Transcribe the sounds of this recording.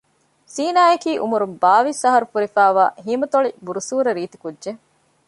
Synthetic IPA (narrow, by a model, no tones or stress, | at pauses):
siːnaːɐkiːʔumuɾumbaːʋisɐɦɐɾufuɾifæːʋa̰ːɦiːmɐt̪oɭibuɾusuːɾɐɾiːt̪i̥kudʒe